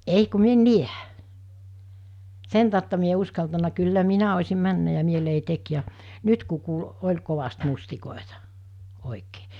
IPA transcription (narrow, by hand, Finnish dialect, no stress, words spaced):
ei ku mi en niæ sen tɑˑutːɑ mi e o uskɑltɑnɑ kylːæ minæ osʲim mænːæ jɑ mielei tek jɑ nyt ku kuːl olʲ koʋɑst mustikoˑetɑ oˑikeː